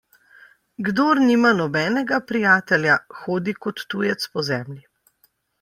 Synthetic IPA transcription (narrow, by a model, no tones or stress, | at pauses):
ɡd̪oːɾnimanɔbɛːnɛɡapɾijaːt̪ɛljaxoːd̪ikɔt̪ːuːjɛt̪spɔzɛːmlʲi